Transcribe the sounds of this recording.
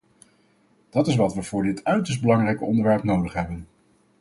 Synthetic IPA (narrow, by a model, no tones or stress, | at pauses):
d̥ɑtɪsʋɑtʋəvʊːɹdɪtœɥtəsdbəlɑŋrɛjkəɔndəɹʋɛɹpnowdəχɦɛbən